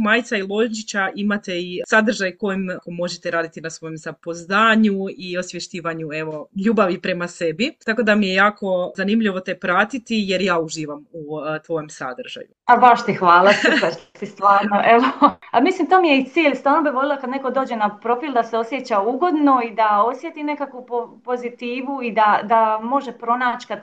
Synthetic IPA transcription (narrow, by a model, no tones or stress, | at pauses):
maːjt̪sailˠoʒt͡ʃit͡ɕaʔimat̪eisad̪ɾ̩ʒajko̞jimkomo̞ʒet̪eɾaːd̪it̪inasʋo̞jemzapoznaːɲuio̞sʋjeʃt̪iːʋaɲue̞ʋo̞ʎuːbaʋipɾe̞mase̞bit̪ako̞d̪amijejaːko̞zanimʎiʋo̞t̪epɾat̪it̪ijeɾjaːuʒiːʋamut̪ʋo̞jomsa̰d̪r̩ʒa̰juabaʃt̪ixʋaːlˠasibaʃt̪sist̪ʋaːɾnoʔeʋoalmislimt̪oːmijeit̪siːʎst̪aːlnobiʋo̞lilˠakad̪ne̞ko̞d̪oːd͡ʑe̞napɾo̞filˠd̪aseo̞sjet͡ɕauɡo̞d̪no̞id̪aosje̞t̪ine̞kakʋupopo̞zit̪iːʋuid̪ad̪amo̞ʒe̞pɾo̞naːt͡ɕkad̪